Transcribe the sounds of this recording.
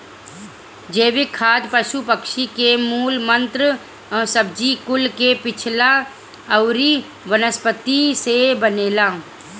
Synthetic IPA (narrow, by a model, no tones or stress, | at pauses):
d͡ʒeːʋɪkʰːaːd̪pəʃupəkʃikemuːlmə̃nt̪ɾə | səb̚d͡ʒikʊlkepɪt͡ʃʰla | əʊɾi | ʋənəspət̪isebəneːlaː